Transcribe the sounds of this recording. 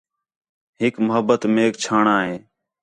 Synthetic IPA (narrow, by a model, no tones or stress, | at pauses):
ɦɪkməɦəbːət̪meːk̚t͡ʃʰaːɳaːɦeː